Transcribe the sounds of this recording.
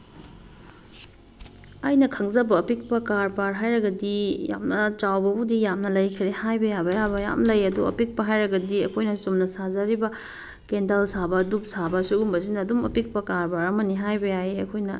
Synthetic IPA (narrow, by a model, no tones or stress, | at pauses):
ɐjnɐkʰɐŋzɐbɐːpik̚pɐkaɾpaɾɦajɾɐɡɐdija̰mnɐt͡ʃawbɐbudijamnɐlɐjkʰiɾehajbɐjabɐjabɐja̰mlɐjɐduɐ̰pik̚pɐɦajɾɐɡɐdiɐ̰kʰojnɐsumnɐsazɐɾibɐ | kendalsabɐdup̚sabɐsuɡumbɐzinɐːdumɐpik̚pɐkaɾpaɾɐmɐniɦajbɐjaeɐkʰojnɐ